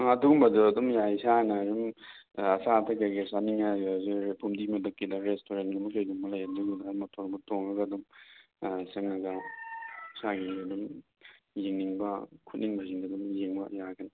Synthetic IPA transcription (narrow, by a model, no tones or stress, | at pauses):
adumbɐduɐdumjajsanɐɾum | ɐsatʰɐkaɡesaniŋjaɡazipʰumdimɐdɐkːidɐɾestoɾenɡumɐkejɡuŋmɐlɐjɐduɡidamɐtʰoɾbutoŋɐɡɐdum | seŋnɐɡɐ | saɡiadum | jiŋniŋbɐkʰut̚niŋbɐziŋdadumjeŋbɐ̰jakʰɐni